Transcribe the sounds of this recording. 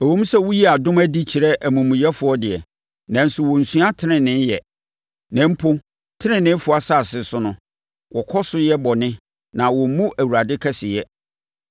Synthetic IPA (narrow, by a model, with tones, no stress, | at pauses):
æ˨wõ˦m˦sɛ˦wu˦ji˦a˨dʊ̃˦mæ˦di˦t͡ɕʰi˨ɾɛ˦ʔæ˨mũ˨mũ˨jɛ˦fʊ˦ɔ˦dɪ˨ɛ˨ | nã˨n̩˨sʊ˨wɔ˨n̩˨sɥa˦tʰɪ˦nɪ̃˨nːɪ̃˦n˦jɛ˨ | nɛ̃˨m̩˦pʰʊ˦ | tʰɪ˦nɪ̃˨nɪ̃˦fʊ˨˦a˨sa˦˨sɪ˨sʊ˦nʊ̃˨ | wʔɔ˨kʰɔ˦sʊ˦jɛ˦bɔ˨nɪ̃˦ | nã˨wɔ˨˦mũ˦ʔæ˨wu˨ɾa˨dɪ˦kʰɛ˦sɪ˨jɛ˦